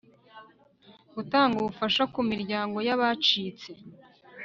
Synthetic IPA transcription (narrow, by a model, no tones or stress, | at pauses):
ɡ̥utaːŋɡuβufaʃakumiɾɟaːŋɡo̞jaβat͡ʃiːt͡se